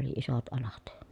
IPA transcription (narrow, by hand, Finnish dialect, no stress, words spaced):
oli isot ɑlɑt